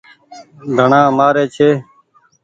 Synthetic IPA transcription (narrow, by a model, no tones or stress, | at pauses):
d̪ʱəɳãːmaːɾeːt͡ʃʰeː